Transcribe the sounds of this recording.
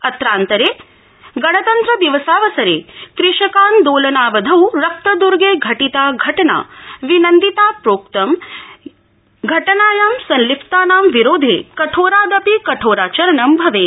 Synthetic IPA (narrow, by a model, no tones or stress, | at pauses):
ɐt̪ɾaːnt̪ɐɾeː | ɡɐɽɐt̪ɐnt̪ɾɐd̪iʋɐsaːʋɐsɐɾḛːkɾiʃɐkaːnd̪oːlɐnaːʋɐd̪ʱɐwɾɐk̚t̪ɐd̪uɾɡeːɡʱɐʈit̪aːɡʱɐʈɐna̰ːʋinɐnd̪it̪aːpɾoːk̚t̪ɐm | ɡʱɐʈɐnaːjaːmsɐnlipʰt̪aːnaːmʋiɾoːd̪ʱḛːkɐʈʰoːɾaːd̪ɐpikɐʈʰoːɾaːt͡ʃɐɾɐɳɐmbʱɐʋeː